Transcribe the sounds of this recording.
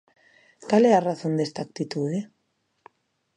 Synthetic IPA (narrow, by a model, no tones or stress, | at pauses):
kalɛaraθõnd̪est̪aːk̚t̪it̪uðe